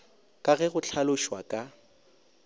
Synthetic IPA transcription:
kʼaɣɛɣʊt͡ɬʰalʊʃwakʼa

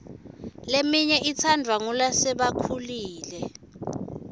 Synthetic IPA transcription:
lemiɲɛʔit͡sʰandʱwaŋulasɛɓakʰuliːlɛ

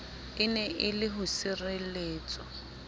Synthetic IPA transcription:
ɪnɛʔɪlɪɦʊsɪreleːt͡sʼɔ

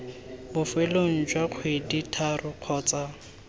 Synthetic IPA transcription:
bʊfeloŋ̩d͡ʒwaq͡χʰweditʰarʊq͡χʰɔːt͡sa

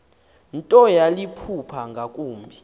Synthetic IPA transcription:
ntʼɔjalipʰupʰaŋɡʱakʼuːmbʱi

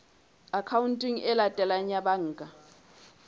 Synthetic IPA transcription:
akʰawuntʼiŋɛlatʼɛlaɲaɓaŋ̩ːkʼa

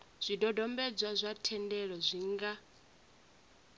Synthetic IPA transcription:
z̥ʷidɔdɔmbɛd͡zwazʷatʰɛndɛɺɔzʷiŋɡa

